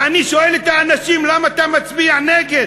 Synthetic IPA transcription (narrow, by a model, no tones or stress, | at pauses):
aniʃoelet̪aːnaʃimlamaːt̪amat͡sbiaaneɡe